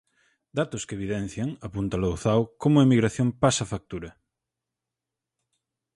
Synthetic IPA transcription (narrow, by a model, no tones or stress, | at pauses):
d̪at̪oskeβ̞iðɛ̃n̟θjaŋapunt̪alowθawkomʊaemiɣɾaθjõmpasafak̚t̪uɾɐ